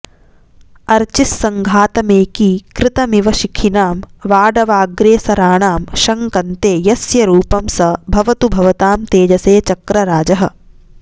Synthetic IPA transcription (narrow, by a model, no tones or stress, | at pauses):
ɐɾt͡ʃisːɐŋɡʱaːt̪ɐmeːkikɾɪt̪ɐmiʋɐʃikʰinaːmʋaːɖɐʋaːɡɾeːsɐɾaːɳaːmʃɐŋkɐnt̪eːjɐsjɐɾuːpɐmsɐbʱɐʋɐt̪ubʱɐʋɐt̪aːmt̪eːd͡ʒɐseːt͡ʃɐkɾɐɾaːd͡ʒɐɦɐ̰̆